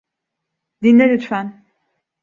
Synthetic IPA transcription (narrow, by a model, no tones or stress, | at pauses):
d̪inlʲeɾyt̪fæn